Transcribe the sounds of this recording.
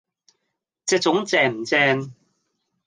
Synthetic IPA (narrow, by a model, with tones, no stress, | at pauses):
t͡sɛː˧t͡sʊ˨˥ŋt͡sɛː˧m̩˨˩t͡sɛː˧n